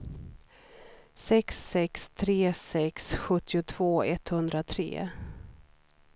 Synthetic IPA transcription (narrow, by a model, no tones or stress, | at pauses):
sɛksɛkst̪ʰɾeːsɛksɧɵt̪ːɪʊt̪ʰv̥oːɛt̪hɵnd̪ɾat̪ʰɾḛː